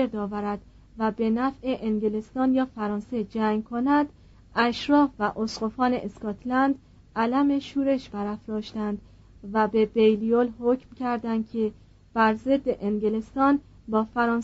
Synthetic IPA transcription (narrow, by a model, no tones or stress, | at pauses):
eɾd̪ɒːvæɾæd̪̥ | væbe̞næfʔeʔeŋɟelest̪ɒːnjɒːfæɾɒːnse̞d͡ʒæŋɡkʰonæd̪ | ʔæʃɾɒːfvæʔosqofɒːneʔeskɒːt̪ʰlænd̪ | ʔælæme̞ʃuːɾe̞ʃbæɾæfɾɒːʃt̪ænd̪ | væbebejliolhocmcʰæɾd̪ænd̪̚cʰe̞ | b̥æɾze̞d̪ːe̞ʔeŋɡele̞st̪ɒːn | bɒːfæɾɒːn